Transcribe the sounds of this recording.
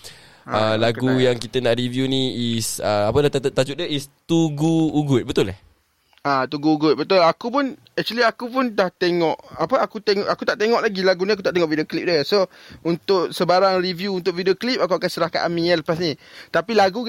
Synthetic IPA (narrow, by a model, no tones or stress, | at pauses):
əlaɡujaŋkit̪ənaʔɾivjunĩisəapənat̪t̪ad͡ʒut̪̚daist̪uɡuːɡʊt̪̚bət̪ʊlah | at̪uɡuːɡʊt̪̚bət̪ʊlakupʊn | ɛk̚t͡ʃuəliakupʊndaht̪eŋɔʔapəakut̪eŋɔʔakut̪aʔt̪eŋɔʔlaɡilaɡuniakut̪aʔt̪eŋɔʔvidioklip̚dəsount̪ʊʔsəbaɾaŋrivjuːnt̪ʊk̚vidioklip̚ak̬uakansəɾahka̰ʔamĩɛlpasnĩt̪apilaɡu